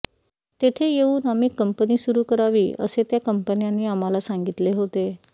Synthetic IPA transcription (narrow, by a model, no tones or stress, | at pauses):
t̪et̪ʰejeuːnamiːkəmpəniːsuɾuːkəɾaʋḭːə̰set̪jakəmpənjanːiːam̤alasaŋɡit̪leɦot̪e